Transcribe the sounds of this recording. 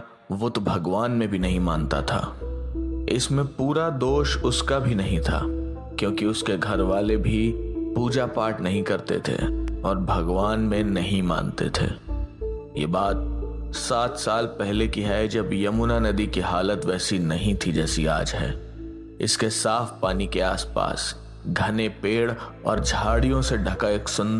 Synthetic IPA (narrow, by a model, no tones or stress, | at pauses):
ʋʊt̪bʱɐɡʋaːnmẽbʱinɐɦĩmãːnt̪a̰t̪ʰa̰ː | ɪ̰smẽpuːɾad̪oːʃʊskabʱinɐɦĩt̪ʰa̰ː | kjõːkiʊskeɡʱɐɾʋaːlebʱipuːd͡ʒapaːʈnɐɦĩkɐɾt̪ḛt̪ʰḛɔːɾbʱɐɡʋaːnmẽnɐɦĩmã̰ːnt̪ḛt̪ʰḛː | jḛːbaːt̪̚saːt̪saːlpɛɦlekiɦɛd͡ʒɐbjɐmunanɐd̪ikiɦaːlət̪ʋɛːsinɐɦĩt̪ʰid͡ʒɛːsia̰ːd͡ʒɦɛ̰ː | ɪ̰skesaːfpaːnikea̰ːspa̰ːs | ɡʱɐnepeːɽɔ̰ːɾd͡ʒʱaːɽijõseɖʱɐkaeːksʊ̃nd̪